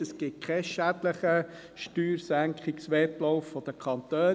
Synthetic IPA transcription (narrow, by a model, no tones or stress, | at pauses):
əsɡ̥ɪt̚kʰɛʃædləχə | ʃtyːɾsæŋkχiksʋɛtlɔʊfːɔd̥̪əkʰχɑnt̪øː